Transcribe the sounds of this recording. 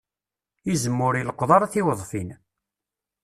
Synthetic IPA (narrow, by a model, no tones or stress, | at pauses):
izəmːʊɾiləqʷːðˤɑɾˤaθiwəðˤfin